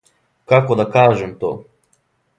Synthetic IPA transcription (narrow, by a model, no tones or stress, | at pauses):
kakod̪akaːʒemt̪o̰ː